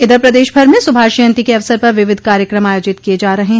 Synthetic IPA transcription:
ɪd̪əɾpɾɐd̪eːʃbʱɐɾmẽsʊbʱaːʃijə̃nt̪ikeɐʋsəɾpɐɾʋɪʋɪd̪̚ʱkaːɾjəkɾəmaːjoːd͡ʒɪt̪kied͡ʒaːɾɐɦeɦ

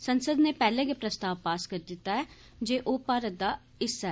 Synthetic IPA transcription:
sənsəd̪neːpɛːlẽːɡepɾəst̪aːʋpaːskəɾd̪ɪt̪ːaːɛː | d͡ʒeːʔoːpaːɾət̪̚d̪aː | ɪsːɛː

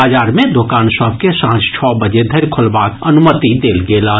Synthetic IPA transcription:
aːd͡ʒaːɾmẽd̪oːkaːnsɔːbkesãːt͡ʃt͡ʃʰɔːbəd͡ʒed̪ʱɐɾkʰʊlbaːkɐnʊmət̪id̪eːlɡeːlaː

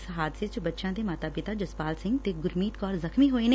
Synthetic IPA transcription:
sɦaːd̪set͡ʃbɐtːʃãːt̪emaːt̪aːpɪt̪ad͡ʒɐspaːlsɪ̃ŋɡt̪eɡʊɾmiːt̪kɔːɾzɐxmiɦoːenː

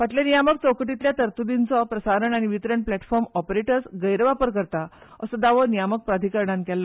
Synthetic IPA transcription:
ʋaʈljanijamək̚t͡sɔwkʈit̪ljat̪əɾt̪ud̪int͡sɔpɾəsaɾəɳaɽ̃iʋit̪ɾəɳplæʈfɔɾmɔpɾeʈəɾsɡəjɾʋapəɾkəɾt̪aəsəd̪aʋənijamək̚pɾad̪ʱikəɾɳãnkɛlːə

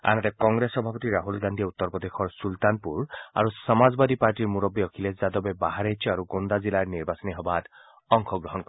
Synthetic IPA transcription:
a̰nɔt̪ekɔŋɡɾesɔbʱapɔt̪iɾaɦulɡand̪ʱieut̪ːɔɾpɔd̪exʰɔɹsult̪anpuɹa̰ɾusɔmazbad̪ipaɾʈiɾmuɾɔbiɔkʰiles̬zad̪ɔbebaɦaɾejt͡ʃʰɔaɾuɡond̪azilaɾniɾbasɔniɦɔbʱat̪ | ɔŋkʰɔɡɾɔɦɔnkɔ

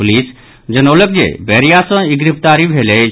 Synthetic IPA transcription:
ulis | d͡ʒənolək̚d͡ʒḛbeɾijasɔ̃iɡɾip̚t̪aɾibʱele

